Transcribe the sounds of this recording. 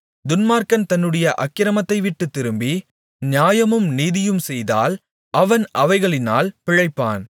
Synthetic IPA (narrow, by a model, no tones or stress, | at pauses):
d̪ʊnmaːɾkɐnt̪ɐnːɯɽɐjɐʔɐkːɪɾɐmɐt̪ːɐɪʋɪʈːɯt̪ːɪɾɯmbi | nɪjaːjɐmɯmniːðɪjɯmsɛjða̰ːl | ʔɐʋɐnʔɐʋɐɪɣɐɭɪna̰ːlpɪɻɐɪpːaːn